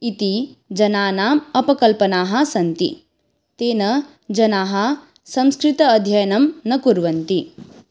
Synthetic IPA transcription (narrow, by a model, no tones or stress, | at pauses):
it̪id͡ʒɐnaːnaːmɐpɐkɐlpɐnaːɦɐ̆sɐnt̪ḭ | t̪eːnɐ | d͡ʒɐnaːɦɐ | sɐ̃mskɾit̪ɐːd̪ʱjɐjɐnɐmnɐkuɾʋɐnt̪i